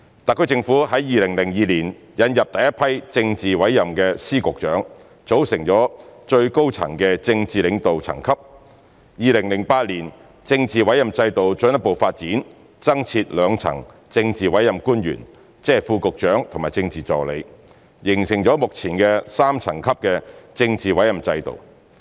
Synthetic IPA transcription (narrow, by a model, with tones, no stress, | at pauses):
t̪a˨kʰːɵ˥t͡sɪ˧ŋfuː˨˥hɐ˨˥jjiː˨lɪ˨˩ŋlɪ˨˩ŋjiː˨˧liː˨˩n | jɐ˨˧njɐ˨p̚t̪ɐ˨jɐ˥t̚pʰɐ˥jt͡sɪ˧ŋt͡siː˨wɐ˨˥jːɐ˨mkɛː˧siː˥kʊ˨k̚t͡ʃœː˨˥ŋ | t͡so˨˥wsɪ˨˩ŋt͡ʃɔː˨˥t͡ʃɵ˧ɥko˥wt͡sʰɐ̰˨˩ŋkɛː˧t͡sɪ˧ŋt͡siː˨lɪ˨˧ŋt̪o˨wt͡sʰɐ̰˨˩ŋkʰɐ˥p̚ | jiː˨˧lɪ˨˩ŋlɪ˨˩ŋpaː˧t̚liː˨˩n | t͡sɪ˧ŋt͡siː˨wɐ˨˥jɐ˨mt͡sɐ˧jt̪o˨wt͡sɵ˧˥ŋjɐ˥po˨wfaː˧t̚t͡siː˨˥n | t͡sɐ˥ŋt͡sʰiː˧t̚lœː˨˧ŋt͡sʰɐ̰˨˩ŋ | t͡sɪ˧ŋt͡siː˨wɐ˨˥jɐ˨˩mkuː˥njy̰ː˨˩n | t͡sɛː˥˨˩fuː˧kʊ˨k̚t͡ʃœː˨˥ŋt̪ʰʊ˨˩maː˨˩jt͡sɪ˧ŋt͡siː˨t͡sɔː˨˩le˨˧j | jɪ˨˩ŋsɪ˨˩ŋt͡ʃɔː˨˥mʊ˨k̚t͡sʰiː˨˩nkɛ˧saː˥mt͡sʰɐ˨˩ŋkʰɐ˥p̚kɛː˧t͡sɪ˧ŋt͡siː˨wɐ˨˥jɐ˨˩mt͡sɐ˧jt̪o̰˨w